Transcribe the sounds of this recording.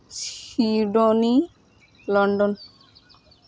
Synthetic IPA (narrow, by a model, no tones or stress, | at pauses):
siɖɔni | lɔɳɖɔn